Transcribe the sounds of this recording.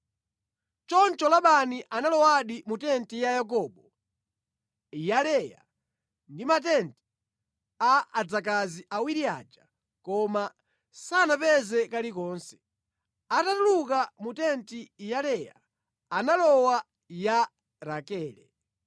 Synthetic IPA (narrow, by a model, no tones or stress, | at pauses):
t͡ʃɔnt͡ʃɔlaɓaniʔanalɔwaɗimutɛntijajak̬ɔːɓɔ | jalɛja̰ | ndimat̬ɛnti̥ | aad͡zak̬aziʔawiɾia̰ːd͡ʒa | kɔma | sanapɛzɛkalikɔːnsɛ̥ | atatulukamutɛntijalɛja | analɔwa | ja | ɾakɛːlɛ